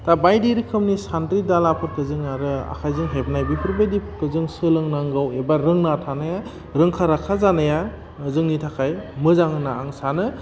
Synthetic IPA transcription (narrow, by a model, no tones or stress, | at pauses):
tabajdiɾikʰɯmnisandɾidalapʰɯɾkʰɯzɯŋaɾɯa̰kʰajzɯŋɦep̚najbipʰɯɾbejdipʰkɯzɯŋsɯlɯŋnaŋɡawebaɾɯŋnatʰanaja | ɾɯŋkʰaɾakʰazanaja | ɯzɯŋnitʰakʰajmɯzaŋɯnaːŋsanɯ